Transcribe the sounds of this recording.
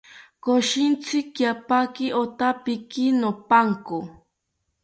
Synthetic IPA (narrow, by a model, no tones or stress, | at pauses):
koʃɪnt͡sʰɪkjapakɪʔot̪apɪkinopaŋko